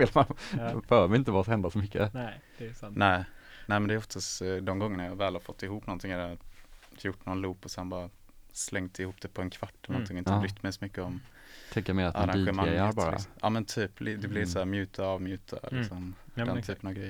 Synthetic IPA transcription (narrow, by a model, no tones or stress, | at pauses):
feːlanfœːɾmɛɪnt̪əvasɔhɛnd̪asɔmʏkːəd̥nɛɪ | nɛɪmɛnd̪ɛæɾɔft̪ast̪d̪ɔmɡɔŋːənajɑːvɛːlhaɾfɔt̪ːɪɦuːpːnɔnt̪ʰɪŋːaɾ | jʊʈːnɔnluːpɔsɛnbɑːɾa | slɛŋt̪ɪhuːp̚d̪ɛpʰɔɛnkʰvaʈːɛlənɔɪŋɔɪnhaɾʏk̪t̪ːmɛjsɔmʏkːəɔm | t̪ʰɛŋkːəmeːɾat̪aɾãiɧɛmmaɡɾɛjabɑːɾaɪ̰smʔɑ̰ːmɛnt̪ʰyːpld̪ɛblɪsɔæːɾmjʉ̟ːt̪ʰaɑːvmjʉ̟ːt̪ʰa̰lɪ̰ksɔmd̪ɛnt̪ʰyːpənavɡɾɛjə